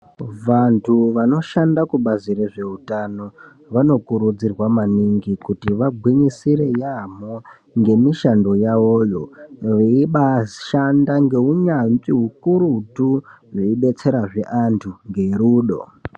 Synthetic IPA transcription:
ʋantʰuʋano̞ʃandakuɓazireʐe̞utano̞ | ʋano̞kuɾud͡zirwamaniŋɡikutiʋaɡʱwiɲisiɾe̞jamo | ŋɡe̞miʃando̞jawoːjo̞ʋeiɓaʃandaŋɡe̞uɲanziɦukuɾutu | ʐeiɓe̞t͡se̞ɾaʐe̞ʔantʰuŋɡe̞ɾuːɗo̞̰

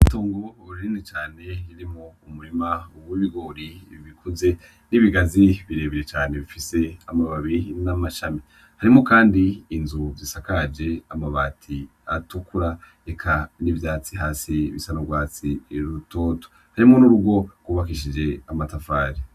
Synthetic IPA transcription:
itoːŋɡouɾɾinet͡ʃaːne̞jiɾimoumuɾimaowwiβiɡo̞ːɾiβikʰuze̞ | niβiɡaziβiɾe̞ːβiɾet͡ʃaːne̞βifise̞amaβaβinamaʃami | haɾimo̞kaːndiːnzuzisakad͡ʒe̞amaβaːtʰi | atukuɾaɾe̞kʰanivjaːt͡siɦaːsiβisanoɡwaːt͡siɾutoːto̥ | haɾimo̞nuɾuɡwo̞ɡ̥wuβakiʃid͡ʒe̞amatafaːɾi

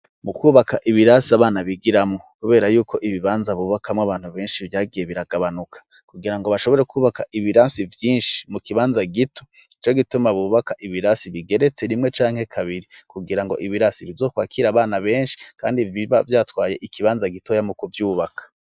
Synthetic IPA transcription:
mukuːβakaʔiβiɾasiaβaːnaβiɡiɾamŋo̞kuβe̞ːɾajuːkʰo̞ʔiβiβaːnzaβuβakamŋoaβaːn̥huβe̞ːnʃivjaːɡije̞βiɾaɡaβanukʰḁ | kuɡiɾaŋɡo̞βaʃoβo̞ɾe̞kʰuːβakaʔiβiɾasivjiːnʃi̥mukiβaːnzaɡitʰo̥ | it͡ʃo̞ɡitumaβuβakaʔiβiɾasiβiɡe̞ɾe̞t͡se̞ɾimŋe̞t͡ʃaːŋ̥he̞kʰaβiɾikuɡiɾaŋɡo̞̰ʔiβiɾasiβizo̞ːkwaːkʰiɾaβaːnaβe̞ːnʃi̥ka̰ːndiviβavjaːtwaːje̞ʔikiβaːnzaɡitojamukuvjuːβakʰḁ

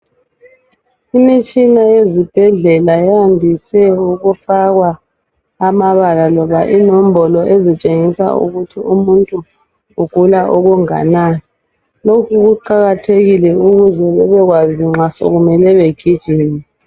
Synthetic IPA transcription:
imit͡ʃʼinajezib̥ʱɛɮɛlajɛandʱisɛuɣufaɣwaː | maβalalɔβaʔinɔm̩bɔlɔʔezit͡ʃʼeŋisa̰ṵɣutʰiʔumuntʼu | uɡ̥ʱulaʔɔɣuŋa̰nanɛ | lokʰuɣuǃaɣatʰeɣilɛuɣuzɛβɛβɛɣwaziŋ͡ǁaso̰ɣumɛlɛβeɡ̥ʱid̥ʒ̥ʱiːnɛ

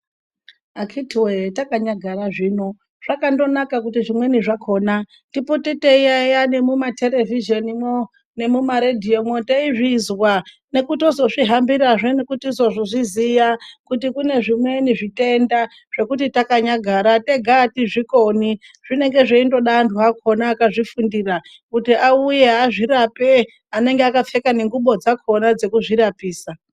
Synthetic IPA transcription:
akʰitiwetakaɲaɡʱaɾaʐiːno̞ | ʐ̥akando̞nakakutiʐimwe̞niʐakʰo̞ːna | tipoteteijajanemumatʰe̞le̞viʒenimo | ne̞mumaɾedʱiomwoteiʐizwa | ne̞kuto̞zo̞ʐiɦambiɾaʐenekutizo̞ʐoʐizijakutikune̞ʐimwe̞niʐitʼe̞nda | ʐ̥e̞kutitakaɲaɡʱaɾate̞ɡʱaːtiʐikoni | ʐ̥ine̞ŋɡe̞ʐeindo̞ɗaːnduɦakʰo̞naːkaʐifundira | kutiʔauje̞aʐiɾape | ane̞ŋɡeakafe̞kane̞ŋɡuɓo̞d͡zakʰo̞nad͡ze̞kuʐiɾapiːsa

